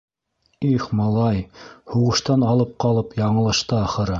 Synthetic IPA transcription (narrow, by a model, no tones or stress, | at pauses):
iχmɑlˠɑjhuʁɤ̆ʃt̪ɑnɑlˠɤp̚qɑlˠɤpjɑɴɤ̆lˠɤ̆ʃt̪ɤɑχɤ̆ɾɤ